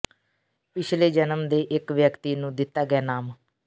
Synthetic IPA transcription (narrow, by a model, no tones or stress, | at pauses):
pɪt͡ʃʰleːd͡ʒənəmd̪eːʔɪkʋjəkt̪iːnũːd̪ɪt̪ːaːɡɛːnaːm